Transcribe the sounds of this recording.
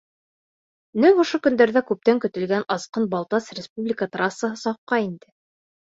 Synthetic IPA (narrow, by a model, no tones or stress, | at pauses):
nɘŋŏʃokɵ̆nd̪æɾðækʉp̚t̪æŋkɵ̆t̪ɘ̆lɡænɑsqɤnbɑlˠt̪ɑsrʲɪspublʲɪkət̪rasːəɦɤsɑp̚qɑind̪ɘ